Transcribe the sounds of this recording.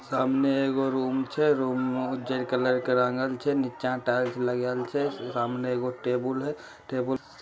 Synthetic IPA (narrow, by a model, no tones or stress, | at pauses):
saːmneeɡoɾuːmt͡ʃʰɛɾumʊd͡ʒəɾkələɾkeɾãːŋɡəlt͡ʃʰɛnit͡ʃãʈat͡ʃʰləɡəlt͡ʃʰɛsaːmneeɡoʈebəlɦɛ | ʈeːbəl